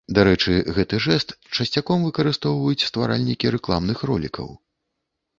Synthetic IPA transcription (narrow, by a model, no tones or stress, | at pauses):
d̪aɾɛt͡ʂɨɣɛt̪ɨʐɛst̪t͡ʂɐsʲt͡sʲakɔmvɨkɐɾɨst̪ɔwvɐjut͡sʲst̪vaɾa̰lʲnʲikʲiɾɛklˠamnɨxrɔ̰lʲḭkɐ̰w